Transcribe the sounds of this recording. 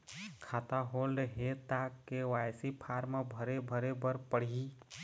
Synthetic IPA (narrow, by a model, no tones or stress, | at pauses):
kʰat̪aɦolɦet̪akːewajsipʰaɾmebʱəɾebʱəɾebəɾpəɽ̤i